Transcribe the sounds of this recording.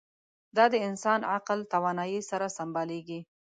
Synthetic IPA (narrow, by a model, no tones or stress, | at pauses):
d̪ɑd̪əɪnsɑnaqlt̪awɑnɑjisaɾasambɑleɡi